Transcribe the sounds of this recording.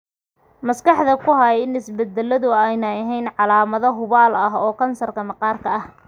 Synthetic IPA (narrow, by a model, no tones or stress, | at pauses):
mɐskʰɑħd̪ɐkʰʊɦɐjɪnɪsbɛd̪ɛlɐðʊɛjnɐɐɦɛjnʕɑlaːmɐðɐɦʊβaːlɐɦɔːkʰɐnsɐrkʰɐmɐqɑːrkʰɐɐh